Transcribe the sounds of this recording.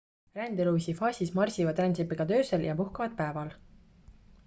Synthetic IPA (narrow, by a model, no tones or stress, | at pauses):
rænd̪eluːsifɑːsʲismɑrsʲivɑd̪rænsepːeɡ̥ɑt̪ø̞ːseljɑpuhkɑvɑd̪̥̚pæevɑl